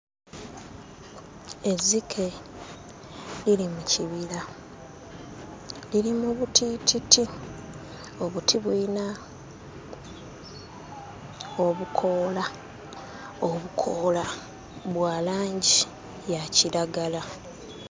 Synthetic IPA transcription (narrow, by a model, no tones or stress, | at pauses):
e̞zikʰe̞ | ilimuciβila | liɾimuβutʰiːtiti | o̞βutʰiβuina | o̞βukʰo̞ːla | oβukʰo̞ːla | βwaːlaːɲɟi | jaciɾaɡala